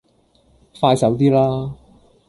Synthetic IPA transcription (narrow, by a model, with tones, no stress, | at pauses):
faː˧jsɐ˨˥wt̪̬iː˥laː˥